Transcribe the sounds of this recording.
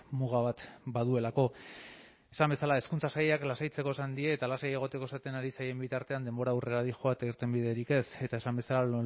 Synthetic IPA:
muɣaβ̞at̪bað̞ue̞lako̞ | esambe̞salae̞skunt͡sasajeaklasajt͡se̞ko̞esand̪ieːt̪alasajeeɣ̞o̞t̪e̞ko̞esat̪e̞naɾisaje̞mbit̪aɾt̪e̞and̪e̞mbo̞ɾaure̞ɾaɾixo̞aet̪aiɾt̪e̞mbiðe̞ɾike̞se̞t̪ae̞sambe̞sala

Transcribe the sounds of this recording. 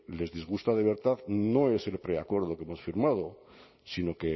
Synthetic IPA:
le̞zðizɣ̞ust̪að̞e̞β̞e̞ɾt̪aðno̞e̞se̞lpɾe̞akwe̞ɾð̞o̞kemo̞sfiɾmað̞o̞ | sino̞ke

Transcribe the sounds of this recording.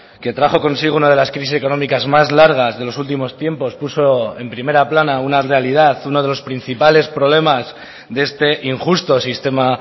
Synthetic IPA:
ke̞t̪ɾaχoko̞nsiɣunaðe̞laskɾis̬iseko̞no̞mikazmazlaɾɣ̞azðe̞lo̞sult̪̬imo̞st̪je̞mpo̞spuso̞e̞mpɾime̞ɾaplanaunarealiðaθuno̞ðelo̞spɾin̟θipale̞spɾo̞β̞le̞maz | ðee̞st̪e̞ʔiŋxust̪o̞sist̪e̞ma

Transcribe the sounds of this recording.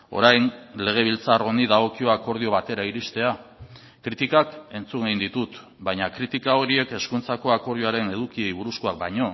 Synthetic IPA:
o̞̰ɾajnle̞ɣ̞e̞β̞ilt͡saro̞niðaɣ̞o̞kio̞ako̞ɾðio̞βat̪e̞ɾaiɾist̪e̞a | kɾit̪ikake̞nt͡suŋɡeind̪it̪ut̪ | bajɲakɾit̪ikao̞ɾie̞ke̞skunt͡sako̞ako̞ɾðioaɾe̞ne̞ðukie̞jβuɾuskoak̚bajɲo̞

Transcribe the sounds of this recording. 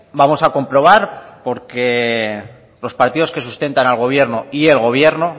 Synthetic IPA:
bamo̞sako̞mpɾo̞β̞aɾpo̞ɾke̞ | lo̞spaɾt̪iðo̞ske̞sust̪e̞nt̪analɣ̞o̞β̞je̞ɾnoie̞lɣ̞o̞β̞je̞ɾno

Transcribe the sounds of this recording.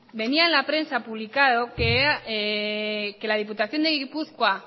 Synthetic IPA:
be̞niaenlapɾe̞nsapuβlikaðokea | ke̞lað̞ip̬ut̪aθjo̞nd̪eɣipuθkwa

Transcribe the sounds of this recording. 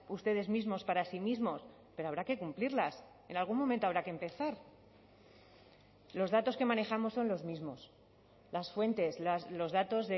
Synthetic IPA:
ust̪e̞ð̞e̞zmizmo̞spaɾasimizmo̞s | pe̞ɾoaβɾakekumpliɾlas | e̞nalɣunmoment̪oaβɾakempe̞θaɾ | lo̞zðat̪o̞ske̞mãne̞xamo̞sːo̞nlo̞zmizmo̞s | lasfwe̞nt̪e̞slaslo̞zðat̪o̞zðe

